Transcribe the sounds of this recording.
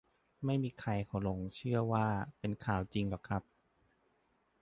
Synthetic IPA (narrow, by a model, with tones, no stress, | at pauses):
ma˥˩jmiː˧kʰa˧jkʰa˨˦wlo˧ŋt͡ɕʰɯ˥˩ɐwaː˥˩pe˧nkʰaː˨˩wt͡ɕi˧ŋlɔː˨˩kʰɾa˦˥p̚